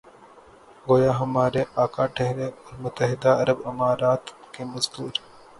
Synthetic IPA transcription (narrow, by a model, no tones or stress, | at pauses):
ɡoːjaːɦɐmaːɾeʔaːkaːʈʰeɦɾeːɾmʊt̪əɦɪd̪aːɐɾəbɪmaːɾaːt̪keːmɐzk̪uːɾ